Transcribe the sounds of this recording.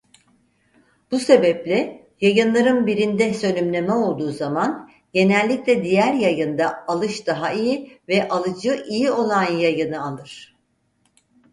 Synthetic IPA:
b̥use̞bɛplʲɛ | jajɯnlˠaɾɯnbiɾind̪ɛsø̞nʲymlʲe̞mɛo̞lˠd̪uːzaman | ɟe̞nɛlʲːiclʲɛd̪ijæɾjajɯnd̪aalˠɯʃd̪̥aɦaijivɛʔalˠɯd͡ʒɯʔijio̞lˠanjajɯnɯalˠɯɾ̥

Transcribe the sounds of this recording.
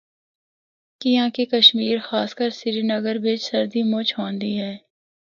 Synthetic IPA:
kɪjãːkekɐʃmiːɾxaːskəɾsɪɾinɐɡəɾbed͡ʒsɐɾd̪imot͡ʃʰɦõːnd̪iɦɛː

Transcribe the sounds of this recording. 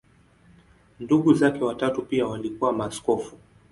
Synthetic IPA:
nduɠuzakɛwatatupiawalikuwamaːskɔfu

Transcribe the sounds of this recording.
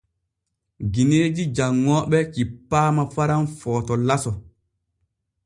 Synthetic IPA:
ɡineːd͡ʒid͡ʒaŋːɔɓɛt͡ʃipːaːmafaɾanfɔːtɔlasɔ

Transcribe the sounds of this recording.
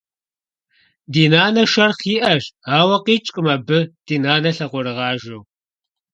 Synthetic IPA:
diːnaːnɐʃɐrχiːʔɐʒaːwɐqiːt͡ʃʼɨmɐbɨd̥iːnaːnɐɬɐʁʷʊɾɨʁɑːʒɨw

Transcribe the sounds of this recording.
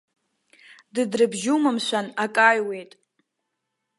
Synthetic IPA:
dɨdrɨbʒumɨmʃʷanakʼajwe̞jtʼ

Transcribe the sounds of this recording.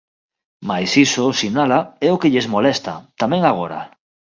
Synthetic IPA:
majsisosinalaɛokeʎezmolɛst̪a̰t̪amɛ̃ŋaɣ̞oɾa̰

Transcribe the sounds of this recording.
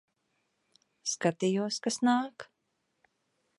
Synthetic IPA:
skat̪ijuɔskasnaːk

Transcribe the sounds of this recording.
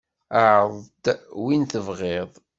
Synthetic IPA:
aʕəðˤd̪winθəvʁeðˤ

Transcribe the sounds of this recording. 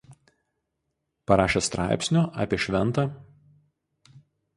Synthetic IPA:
pɐɾɑːʃʲest̪ɾɑ̰ˑɪpʲsʲnʲoʔɑ̰ːpʲiɛʃʲʋʲɛnˑt̪ɑ

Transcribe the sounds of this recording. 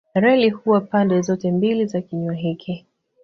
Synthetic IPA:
aɾɛlihuwapandɛzɔtɛmbilizakiɲwaɦikʰi

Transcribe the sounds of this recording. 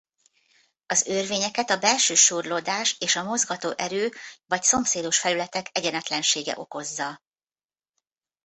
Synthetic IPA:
ɒzørveːɲɛkɛt̪ɒbɛlʃøːʃuːrlod̪aːʃeːʃɒmo̞zɡɒt̪oːʔɛɾøːvɒcso̞mseːd̪o̞ʃfɛlylɛt̪ɛkɛɟɛnɛt̪lɛnʃeːɡɛ̰ʔo̞ko̞zːɒ

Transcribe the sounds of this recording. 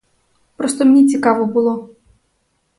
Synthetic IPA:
pɾɔst̪ɔmnʲɛt͡sʲikavɔbɨlˠɔ

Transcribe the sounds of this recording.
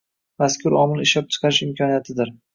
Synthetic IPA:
maskʰʲʊɾɒmɪlˠɪʃɒp̚t͡ʃʰɨ̥qʰɑɾɪʃɪmkʰʲɒnijat̪ʰɪd̪ɪɾ

